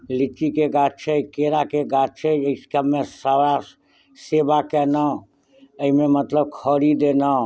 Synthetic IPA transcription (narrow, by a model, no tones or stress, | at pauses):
lit͡ʃikeɡat͡ʃʰəjkeɾakeɡat͡ʃʰəəiskəmːesəɽa | sebakɛnə | əimemət̪ləb̚kʰəɾid̪enə